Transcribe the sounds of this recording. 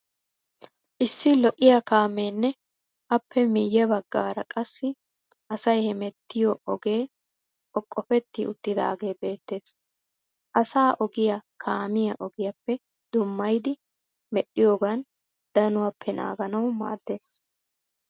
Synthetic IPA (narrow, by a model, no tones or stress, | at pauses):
ʔɪsːɪlɔʔɪjɐkaːmeːnːɛ | ʔɐpːɛmɪjːɛbɐɡːaːɾɐkʼɐsːɪ | ʔɐsɐjhɛmɛt̪ːɪjɔɔɡe̞ː | ɔkʼːɔfɛt̪ːɪ̰ʔʊt̪ːɪd̪ɐ̰ɐɡe̞ːbe̞ːt̪ːe̞ːs | ʔɐsaːʔɔɡɪjɐkʰaːmɪjɐʔɔɡɪjɐpːɛ | d̪̥ʊmːɐjd̪ɪ | mɛɗɪjoːɡɐn | d̪̥ɐnʊwɐpʰːɛna̰ːɡɐnɐwma̰ːd̪ːe̞ːs